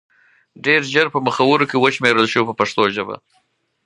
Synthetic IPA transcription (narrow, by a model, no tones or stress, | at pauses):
ɖeɾʒəɾpəməxawəɾokewəʃmeɾəlʃəwipəpaʂt̪oʒəba̰